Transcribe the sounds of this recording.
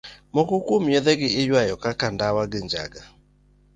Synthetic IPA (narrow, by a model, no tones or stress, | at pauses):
mokokwomjɛðɛɡɪɪjwajɔkakandawaɡɪɲd͡ʒa̰ɡa